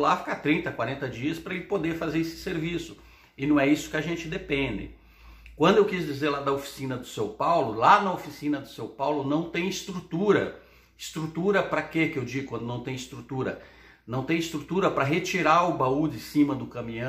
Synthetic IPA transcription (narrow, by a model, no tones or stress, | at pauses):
lafi̥kat̪ɾĩnt̪ɐkwaɾẽnt̪ɐd͡ʒiɐspɾɐelɪpod̪eɾfazeɾesɪ̥seɾvisʊ | ɪnɐ̃w̃ɛisʊ̥kɪaʒẽnt͡ʃɪd̪epẽnd̪ɪ̰ | kwɐ̃nd̪ʊewkizd͡ʒizeɾlad̪ɐofi̥sĩnɐd̪ʊsẽwpawlʊlanɐofisĩnɐd̪ʊsewpawlʊnɐ̃w̃t̪ẽj̃ɪst̪ɾut̪uɾɐ̰ | ɪst̪ɾut̪uɾɐpɾɐkekɪewd͡ʒiɡʊkwɐ̃nd̪ʊnɐ̃w̃t̪ẽj̃ɪst̪ɾut̪uɾɐ̰ | nɐ̃w̃t̪ẽj̃ɪst̪ɾut̪uɾɐpɾɐɦet͡ʃiɾaʊbaud͡ʒ̪ɪsĩmɐd̪ʊkɐ̃mĩɐ̃